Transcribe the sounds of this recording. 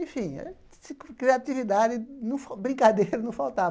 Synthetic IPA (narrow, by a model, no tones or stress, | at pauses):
ẽfĩɛ̰ | sɪkɾiat̪ivid̪ad̪ɪnʊfbɾĩkad̪ejɾʊnʊ̃fawt̪a